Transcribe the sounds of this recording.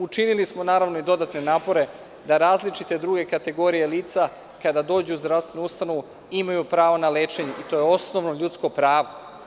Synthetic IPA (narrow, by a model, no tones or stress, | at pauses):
ut͡ʃinilismo̞naːɾaʋno̞id̪o̞d̪at̪ne̞naːpo̞ɾe̞ | d̪aɾaːzlit͡ʃit̪e̞d̪ɾuːɡe̞kat̪e̞ɡo̞ɾije̞liːt̪sa | kad̪ad̪o̞ːd͡ʑuuzd̪ɾavst̪ʋe̞nuust̪ano̞ʋu | imajupɾaːʋo̞naleːt͡ʃe̞ɲeʔit̪o̞ːjeo̞sno̞ʋno̞ʎut̪sko̞pɾaːʋo